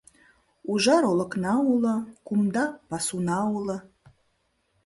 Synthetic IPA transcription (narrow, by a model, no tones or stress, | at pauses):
uʒɑɾolˠə̆knɑulɤ̆kumd̪ɑpɑsunɑulɤ̆